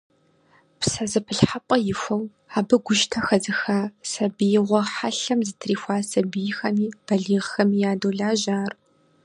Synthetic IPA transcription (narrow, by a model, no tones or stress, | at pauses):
psɐzɨpʰɨɬħapʷʼɐjɪxʷɐw | aːbɨɡʷʊʃtʰɐxɐzɨxaːsɐbijɪʁʷɔħaɬɐmzɨtʰriːxʷaːsɐbijɪxɐmiːb̥ɐɮiːʁxɐmiːjaːdoːɮaːʒaːr